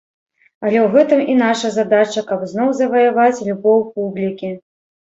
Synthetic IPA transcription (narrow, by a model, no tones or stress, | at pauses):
ɐlʲɛwɣɛt̪ɨminaʂɐzad̪at͡ʃɐkɐpznɔwzɐvɐjavat͡sʲlʲubɔwpublʲikʲi